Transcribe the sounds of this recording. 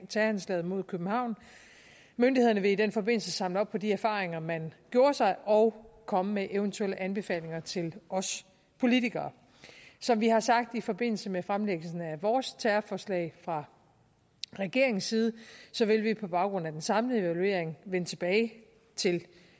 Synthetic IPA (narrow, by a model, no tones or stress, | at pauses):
t͡sʰæɐænslɛ̰ːð̞̩ˠmo̝ð̰ˠkʰøb̥m̩hɑ̈ʊ̰n | mønd̥iheðˠɐnəʋe̝id̥enfɒ̽be̝n̰l̩səsɑ̈mləɒ̽b̥̚pʰɒ̽diæɐfɑ̈ːʁeŋɐmænɡ̥jo̝ːɐsɑ̈ɪʔɒ̽ʊkʰɒ̽məmeʔeʊənt͡sʰueləʔænb̥e̝fɛ̰ːle̝ŋɐt͡sʰe̝lɒ̽s | pʰo̝lit͡sʰiɡ̥ɐː | sɒ̽mʋihɑ̈sɑ̈ɡ̥̚d̥ifɒ̽b̥e̝n̰l̩səmefʁamleɡ̥lsn̩æʋɒːst͡sʰæɐfɒːslɛ̰ɪfʁɑ̈ | ʁɛɡ̥e̝ɐe̝ŋn̩siːð̞ˠəsɒ̽ʋe̝lʋipʰɒ̽b̥ɑ̈ʊɡ̥ʁɔ̽næd̥ensɑ̈mləe̝ʋælue̝̰ɐ̰eŋʋenət͡sʰe̝b̥ɛːɪ | t͡sʰe̝l